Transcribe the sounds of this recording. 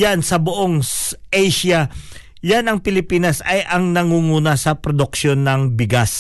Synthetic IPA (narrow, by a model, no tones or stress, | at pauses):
jansɐboʔoŋʔejʃɐ | janɐŋpɪlɪpiːnɐsɐjʔɐŋnɐŋuŋuːnɐsɐpɾod̪ʊk̚ʃo̞nːɐŋbɪɡas